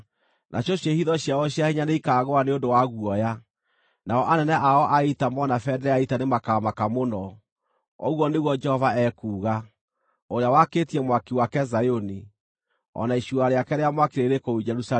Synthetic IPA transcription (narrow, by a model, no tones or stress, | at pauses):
nʔa̰ɕoɕjehiðɔɕjaɔɕjahiɲaneikaːɣoaneondowaɣuɔja | naɔʔanɛnɛʔaɔʔaitamɔnafɛdɛɾɛaitanemakaːmakamonɔ | ɔ̰ɣwɔneɣwɔd͡ʒɛhɔvaɛkuːɣa | oɾeawakeːtiɛmwakiwakɛzajoni | ɔ̰naiʃuaɾeakɛɾeamwakiɾeɾekoud͡ʒɛɾusa